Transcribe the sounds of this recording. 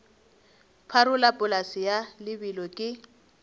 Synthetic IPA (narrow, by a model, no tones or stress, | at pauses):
pʰaɾʊlapʼʊlasɪjalɪbilɔkʼɪ